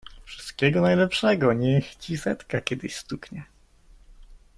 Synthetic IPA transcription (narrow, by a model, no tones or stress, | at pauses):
fʂɘ̥st̪̚kʲɛɡɔnajlɛpʂɛɡɔɲɛxt͡ɕisɛt̪kakʲɛd̪ɘɕst̪ukɲɛ